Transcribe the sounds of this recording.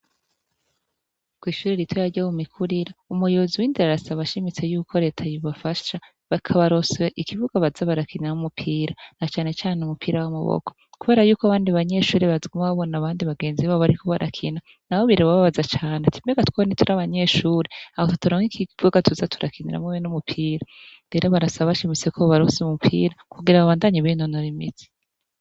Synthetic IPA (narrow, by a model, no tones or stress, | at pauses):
kwiːʃuːɾeɾitwojaɟamumikʰuɾiɾaumujoziwiːndaɾɾasaβaʃimit͡se̞juːkʰo̞ɾe̞ːtʰajiβafaʃa | βakʰaβaɾo̞sweʔikivuɡaβazaβaɾakʰiniɾaumupʰiːɾanat͡ʃaːne̞t͡ʃaːneumupʰiːɾawamaβo̰kʰo̥kuβe̞ːɾajuːkoaβaːndiβaɲe̞ʃuːɾiβazɡumaβo̞naβaːndiβaɡe̞ːnziβaoβaɾikʰo̞βaɾʔa̰kʰina | nahoβiɾeβaβaβazat͡ʃaːnetʰi̥meɡatwaonitʰuɾaβaɲe̞ʃuːɾeahotu̥taɾoŋikiv̥uɡatuzatʰuɾakʰiniɾa̰meβenumupʰiːɾaɾeɾoβaɾasaβaβaʃimit͡sekʰoββaɾoseumupʰḭːɾakʰuɡiɾaβaβaːndaɲiβinonoɾimḭz̥i̥